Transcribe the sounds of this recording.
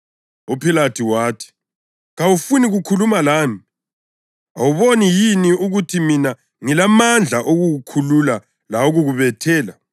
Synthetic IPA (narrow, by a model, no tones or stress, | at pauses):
upʰilatʰiwaːtʰi̥ | ɣawufuniɣukʰulumalaːmi | awuβonijiniuɣutʰimina | ŋilamand͡ɮʱaʔoɣuɣukʰulula | laoɣuɣuβɛtʰɛːla